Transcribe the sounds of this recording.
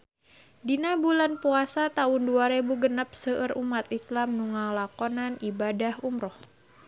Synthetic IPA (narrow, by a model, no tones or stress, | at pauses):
dinabulanpuasat̪aʊnduaɾebuɡənəp̚səʔərumat̪islamnuŋalakɔnanibadahumɾɔh